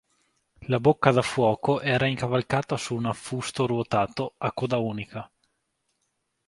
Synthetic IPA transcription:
labokːad̪afwɔːkoʔɛːɾaiŋkavalkaːt̪asuːnafːust̪oɾuot̪aːt̪oakːud̪auːnika

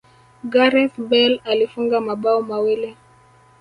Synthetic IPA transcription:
ɡaɾɛθbɛlalifuŋɡamaɓaɔmawɛlɛ

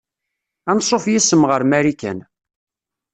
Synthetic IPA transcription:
ænsˤːofjisəmʁəɾmæɾikæ̰n

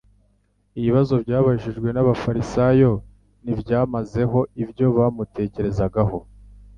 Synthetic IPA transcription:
iβiβazo̞bɟaːβaiʒiʒɡwe̞naβafaɾisajo̞ | nivɟaːmaze̞ɦo̞ivɟo̞βamute̞ːce̞ɾe̞zaɡaho̞

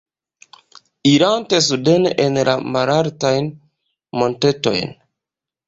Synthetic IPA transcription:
iɾantes̬udenʔenla̰maɾaɾtajn | mo̞nteto̞̰jn

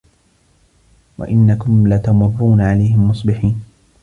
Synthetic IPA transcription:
wa̰ʔɪnːakʊmlat̪amʊrːuːnaʕalajhɪmːʊsˤbɪħiːn

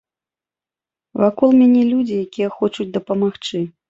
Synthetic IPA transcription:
vakɔlˠmʲanʲɛlʲud͡zʲijakʲijɛxɔt͡ʂud͡zʲd̪ɐpɐmaxt͡ʂɨ

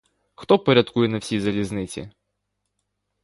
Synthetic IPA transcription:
xt̪ɔpɐɾʲɐt̪kujɛnɐwsʲijzɐlʲiznɪt͡sʲḭ

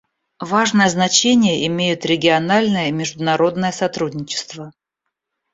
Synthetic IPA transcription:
vaʐnəjəznɐt͡ɕenʲɪjəʔɪmʲejʊt̪ɾʲɪɡʲɪɐnalʲnəjəimʲɪʐd̪ʊnɐɾo̞d̪nəjəsɐt̪ɾudʲnʲɪt͡ɕɪ̥st̪və

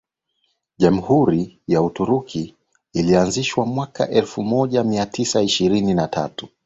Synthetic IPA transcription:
ʄam̩huɾijautuɾukʰiː | lianziʃwamwaka̰ʔɛlfumɔʄamiatʰisaiʃiɾininatʰa̰tu̥

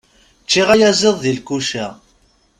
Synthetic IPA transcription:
t͡ʃːiʁajæzeðˤðilkuʃæ

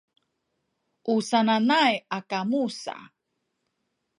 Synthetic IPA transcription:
ʔusananajakamusa̰

